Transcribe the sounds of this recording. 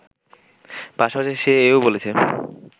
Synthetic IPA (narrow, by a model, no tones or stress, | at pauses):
paʃapaʃeʃeeobolet͡ɕʰe